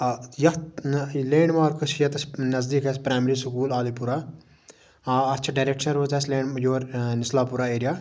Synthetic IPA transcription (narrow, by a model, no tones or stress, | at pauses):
jɐt̪leːɳɖmaːɾkɐʃijɐt̪ɐsnɐzd̪iːkɐspɾaːmɾiːsʊkuːlaːlipuɾaː | ɐt̪ːt͡ʃʰaɖaːɾeːkʃɐnɾoːt̪ɛslẽːɳjoːɾnɪslaːpuɾaːeːɾijaː